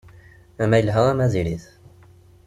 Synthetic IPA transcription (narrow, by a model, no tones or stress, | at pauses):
æmæjəlɦəʁæmæziɾiθ